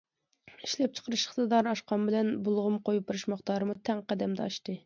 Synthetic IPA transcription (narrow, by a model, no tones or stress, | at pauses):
iʃlɛp̚t͡ʃʰə̥qəɾɨʃχə̥t̪ʰɨd̪ɑɾɑʃqɑmbɪlɛnbulˠʁʊmqojupɨɾɨʃmɑχt̪ɑːɾɨmut̪ʰɛŋqæd̪ɛmd̪ɛɑʃt̪ɨ